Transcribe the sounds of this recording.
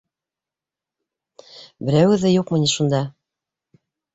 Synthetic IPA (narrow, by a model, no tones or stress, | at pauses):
bɘ̆ɾæwɘ̆ðɘjuqmɤ̆niʃund̪ɑ